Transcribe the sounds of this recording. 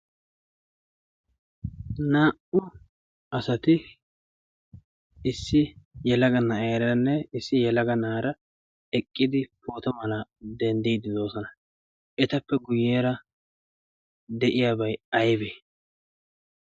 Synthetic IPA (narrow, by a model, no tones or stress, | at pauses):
naːʔʊ | ʔɐsɐt̪ɪ | ɪsːɪjɛlɐɡɐnɐʔeːɾɐnːɛɪsːɪjɛlɐɡɐnaːɾɐ | ɛkʼːɪd̪ɪpo̞ːt̪ɔmɐlɐd̪ɛnd̪ijd̪ɪd̪o̞ːsɔnɐ | ʔɛt̪ɐpːɛɡʊjːeːɾɐ | d̪ɛʔɪjaːbɐjɐjbeː